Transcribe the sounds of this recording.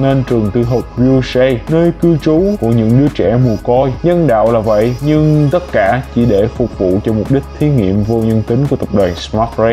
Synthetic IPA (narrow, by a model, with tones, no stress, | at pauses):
ne˧nt͡ɕɨ˨˩əŋt̪ɨ˧ɦo˨˩p̚zu˧sɛ˧nəː˧jkɨ˧wt͡ɕu˨˦ku˧˩əɲɨ̰˧˥ŋɗɨ˨˦ət͡ɕɛ̰˧˩mu˨˩əkɔ˧jɲə˧nɗa̰ː˧˨wlaː˨˩və̰˧˨jɲɨ˧ŋt̪ə˦˥t̚kaː˧˩t͡ɕi˧˩ɗe˧˩fʊ˨˩k͡p̚vṵ˧˨t͡ɕɔ˧mʊ˨˩p̚ɗi˦˥k̟̚t̪ʰi˨˦ŋḭ˧˨əmvo˧ɲə˧nt̪i˨˦ŋ̟ku˧˩ət̪ə˨˩p̚ɗwaː˨˩nsma˦˥t̚zɛ˧